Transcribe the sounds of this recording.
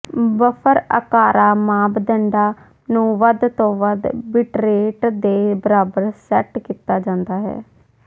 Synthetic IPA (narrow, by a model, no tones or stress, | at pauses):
bəpʰəɾə̰kaːɾaːmaːbd̪əɳɖaː | nũːʋəd̪t̪õːʋəd̪bɪʈɾeːʈd̪eːbəɾaːbəɾsɛːʈkiːt̪aːd͡ʒãːnd̪aːɦɛ̰ː